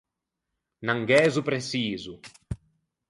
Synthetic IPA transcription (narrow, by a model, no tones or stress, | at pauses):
naŋɡɛːzupɾesiːzu